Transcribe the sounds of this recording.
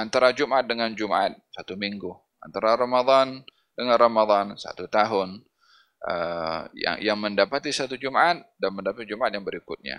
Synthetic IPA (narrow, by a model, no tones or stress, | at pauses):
ant̪aɾad͡ʒumat̪̚dəŋand͡ʒuma̰t̪̚sat̪umiŋɡu | a̰nt̪aɾaɾamad̪ɑn | dəŋanramad̪ɑnsa̰t̪ut̪aɦʊn | ʔə̰ja̰ŋjaŋməndapat̪isat̪ud͡ʒumaat̪̚danməndapat̪̚d͡ʒumaat̪̚jaŋbəɾikʊt̪̚ɲa̰